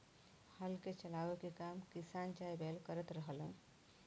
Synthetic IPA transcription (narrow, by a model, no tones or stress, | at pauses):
həlket͡ʃəlaʋekekamkisant͡ʃajbʱelkəɾət̪ɾəɦələ̰̃